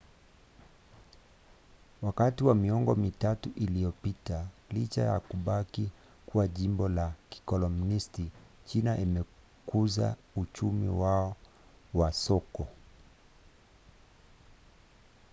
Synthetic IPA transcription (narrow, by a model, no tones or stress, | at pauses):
wakatiwamiɔŋɡɔmitatuʔilijɔpitalit͡ʃa̰ja̰kuɓaki | kuwaʄimbɔlaki̥kɔlɔmnistit͡ʃinaʔimɛ | kuza̰ | ut͡ʃumḭwaɔ | wasɔkɔ